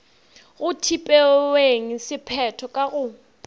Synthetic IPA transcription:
ɣʊtʰipʼɛweŋ̩sɪpʰɛtʰɔkʼaɣʊ

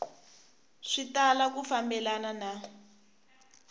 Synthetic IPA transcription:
ʂitalak̬ufambɛlanana

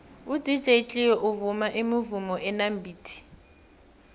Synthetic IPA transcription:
ud̥ʱit͡ɬʼet͡ɬʼiwɔʔuvumaʔemivumɔʔɛnambʱiːtʰi̥

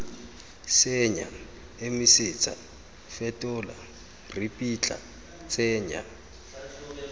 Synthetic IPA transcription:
sɪɲa̰ | emɪsɪt͡sʰʼa̰ | fɛtʼʊːla̰ | ripʼit͡ɬʼa̰ | t͡sʼɛːɲa̰

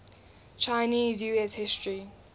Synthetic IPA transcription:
t͡ʃʰajniːzjueshɪstʰɹi

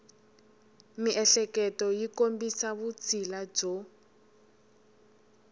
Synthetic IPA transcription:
miʔɛɬɛkɛtɔjikombisaβut͡sʰilad͡ʒɔ

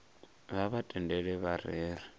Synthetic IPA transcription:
βaβatʼɛndɛɺɛβaɾɛːɾɛ

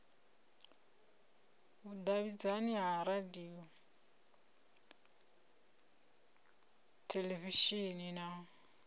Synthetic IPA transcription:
udaβid͡zaniɦaɾadiɔ | tʰeleviʃinina

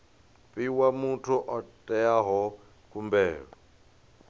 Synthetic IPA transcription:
pʼiwamutʰuʔɔtʼɛjaɦɔ | kʼumbɛːɺɔ

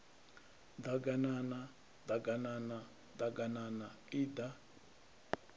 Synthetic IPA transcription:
d̪aɡanana | d̪aɡanana | d̪aɡanana | iːd̪a

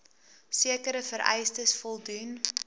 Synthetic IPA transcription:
siəkəɾəfəɾʔɛ̰jstəsfɔlˠdun

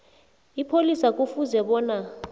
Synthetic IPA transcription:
ipʰolisak̬ʼufuzɛɓɔːna

